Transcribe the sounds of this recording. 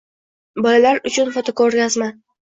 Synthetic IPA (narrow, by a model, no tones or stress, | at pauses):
bɒlalaɾʊt͡ʃʰʊnfot̪ʰokoɾɡʲazma